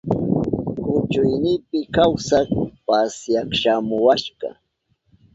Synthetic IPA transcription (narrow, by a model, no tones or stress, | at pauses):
kʊt͡ʃʊjnɪpɪkawsakpasjakʃamʊwaʃɢɑ̰